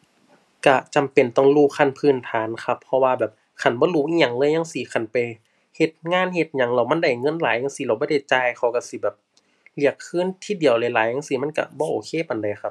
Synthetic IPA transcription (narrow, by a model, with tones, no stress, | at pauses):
ka˧t͡ɕa˨mpe˨˩nt̪ɔː˧˩ŋluː˧˩kʰa˧˥˨npʰɯː˧˩˨nt̪ʰaː˨˦nkʰa˧pʰːɔ˧waː˧bɛː˨˩p̚ | kʰa˧˩nbɔː˧˦luː˧˩˨ʔiː˧˨ɲa˧˩ŋlɤː˧˥˨jɲa˧ŋsiː˧˦kʰa˧˩npa˨˩j | he˧˩t̪̚ŋaː˧˥˨nhe˧˦t̪̚ɲa˧˦ŋlɛ˧˩wma˧˥˨nda˧˩jŋɤ˧˥˨nlaː˨˦jɲa˧˨ŋsi˧˦la˧˩bɔː˧˦da˧˩jt͡ɕaː˧˨jkʰa˧˩wka˧˩si˧˦bɛː˨˩p̚ | li˧˩əkʰːɯː˧˥˨nt̪ʰiː˧˥˨di˨˩əwlɛː˧˦jlaː˨˦jŋa˧˥˨si˧˩˦ma˧˥˨nka̰˧bɔː˧ʔoː˨˩kʰeː˧˨pa˨nda˨˩jxʰa˧p̚